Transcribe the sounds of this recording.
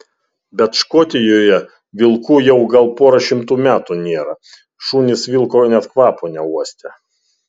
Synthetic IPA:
bʲɛt̪ʃkoːt̪ʲɪjoːjɛ | ʋʲɪlˠkuːjɛʊɡɐlˠpoːɾɐʃʲɪmt̪uːmʲæːt̪unʲeːɾɐ | ʃuːnʲɪsʋʲɪlˠkoːnʲɛt̪kʋɑːponʲɛuɔsʲt̪ʲɛ

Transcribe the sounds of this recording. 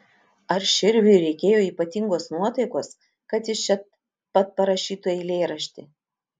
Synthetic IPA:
ɐɾʃʲɪɾʲʋʲʊɪɾʲɛɪkʲeːjoːiːpɐt̪ʲɪŋɡoːsnuɔt̪ɐɪkoːs | kɐt̪jɪt͡ʃʲɛt̪ | pɐt̪̚pɐɾɐʃʲiːt̪uɛlʲeːɾɐʃʲt̪ʲɪ

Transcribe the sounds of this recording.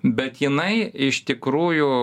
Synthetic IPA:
bʲɛt̪jɪnɐɪɪʃt̪ʲɪkɾuːjʊ

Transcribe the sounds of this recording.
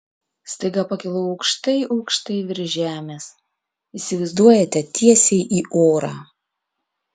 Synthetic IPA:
st̪ɐɪɡɐpɐkʲɪlˠʊɐʊkʃt̪ɐɪʔɐʊkʃt̪ɐɪʋʲɪɾʲʒʲæːmʲeːs | iːsʲɪʋɐɪzd̪uɔjɛt̪ʲɛt̪ʲiɛsʲɛɪʔiːʔoːɾɑ̰ː

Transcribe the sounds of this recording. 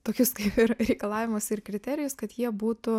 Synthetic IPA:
t̪oːkʲʊskɐɪpɪɾɾʲɛɪkɐlˠɑːʋʲɪmʊsɪrkɾʲɪt̪ʲɛːɾʲɪjʊskɐt̪jiɛbuːt̪ʊ

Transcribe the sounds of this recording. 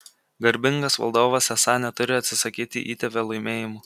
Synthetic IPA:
ɡɐɾʲbʲɪŋɡɐsʋɐ̰lˠd̪oːʋɐsɛsɑnʲɛt̪ʊɾʲɪɐt̪ʲsʲɪsɐkʲiːt̪ʲɪ̰ʔiːt̪ʲɛpʲelˠɐɪmʲeːjɪmʊ

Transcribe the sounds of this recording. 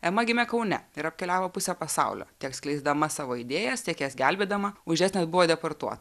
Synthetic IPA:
ɛmɐɡʲɪmʲɛkɐʊnʲɛ̰ɪɾɐpʲkʲɛlʲæːʋoːpʊsʲɛpɐsɑ̰ʊlʲo̰ːt̪ʲiɛksklʲɛɪzd̪ɐmɐsɑːʋoːɪd̪ʲeːjɛst̪ʲiɛkjæsɡʲælʲbʲeːd̪ɐmɐʊʒʲæːsnʲeːsbʊʋoːd̪ʲɛporɾt̪uɔt̪ɐ

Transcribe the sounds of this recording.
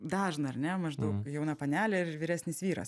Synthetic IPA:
d̪ɑːʒnɐɐrnʲɛmɐʒd̪ɐʊkjɛʊnɐpɐnʲæːlʲɛɪʋʲiɾʲæːsʲnʲɪsʋʲiːɾɐ̰s

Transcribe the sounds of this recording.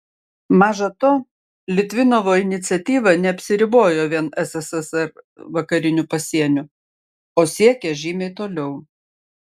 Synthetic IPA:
mɑːʒɐt̪oː | lʲɪt̪ʲʋʲɪnoːʋoːɪnʲɪt̪sʲɛt̪ʲiːʋɐnʲɛɐpʲsʲɪɾʲɪboːjoːʋʲiɛnɛsɛsɛsɛɾ | ʋɐkɐɾʲɪnʲʊpɐsʲiɛnʲʊ | oːsʲiɛkʲɛʒʲiːmʲɛɪt̪oːlʲɛʊ

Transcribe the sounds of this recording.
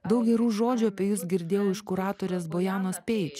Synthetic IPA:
d̪ɐʊk̚ɡʲɛɾuːʒoːd͡ʒʲuɐpʲeːjʊsɡʲɪɾʲd̪ʲeːjɛʊɪʃkʊɾɑːt̪oːɾʲeːsboːjæːnoːspʲeːjɪt͡ʃʲ

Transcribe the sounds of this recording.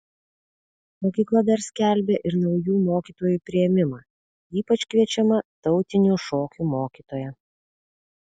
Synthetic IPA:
mɔkʲiːklˠɐd̪ɐɾsʲkʲæˑlʲbʲeːʔɪɾnɒʊjuːmoːkʲiːt̪oːjuːˑpʲɾʲɪjɛmʲɪmɑː | iːpɐt͡ʃʲkʋʲiɛt͡ʃʲɛmɐt̪ɒʊt̪ʲɪnʲuːʃoːkʲuːmoːkʲiːt̪oːjɛ

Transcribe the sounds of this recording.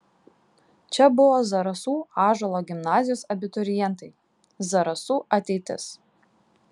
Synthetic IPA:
t͡ʃʲɛbʊʋoːzɐɾɐsuːɑːʒɐlˠoːɡʲɪmnɑːzʲɪjoːsɐbʲɪt̪ɔɾʲɪjɛnt̪ɐɪ | zɐɾɐsuːʔɐt̪ʲɛɪt̪ʲɪ̰s

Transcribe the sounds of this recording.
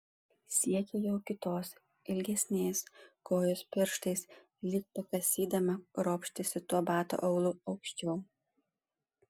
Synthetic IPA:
sʲiɛkʲɛjɛʊkʲɪt̪oːs | ɪlʲɡʲɛsʲnʲeːskoːjoːspʲɪɾʃt̪ɐɪs | lʲɪk̚pɐkɐsʲiːd̪ɐmɐɾoːpʲʃʲt̪ʲɪsʲɪt̪uɔbɑːt̪o̰ːʔɐʊlˠʊɒʊkʃʲt͡ʃʲɛʊ

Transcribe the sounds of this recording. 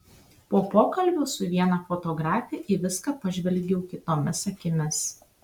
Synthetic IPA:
poːpoːkɐlʲbʲoːsʊʋʲiɛnɐfoːt̪ɔːɡɾɑːfʲɛʔiʋʲɪskɑːpɐʒʲʋʲɛlʲɡʲɛʊkʲɪt̪oːmʲɪsɐkʲɪmʲɪs

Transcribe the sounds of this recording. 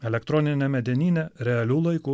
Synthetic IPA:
ɛlʲɛkt̪ɾɔːnʲɪnʲɛmʲɛd̪ʲɛnʲiːnʲɛɾʲɛɐlʲuːlˠɐɪkuː

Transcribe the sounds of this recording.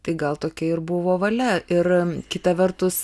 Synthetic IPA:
t̪ɐɪɡɐlˠt̪oːkʲɛɪrbʊʋoːʋɐlʲɛɪrkʲɪt̪ɐʋʲɛrt̪ʊs

